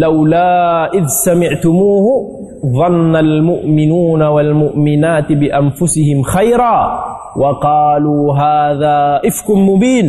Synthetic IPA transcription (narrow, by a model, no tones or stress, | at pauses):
lawlaːʔɪðsamɪʕt̪ʊmuːhʊ | ðˤɑnːalmʊʔmɪnuːnawalmʊʔmɪnaːt̪ɪbɪʔanfʊsɪhɪmxajɾaː | wʔɑqɑːluːɦaːðaːʔɪfkʊnmʊbiːn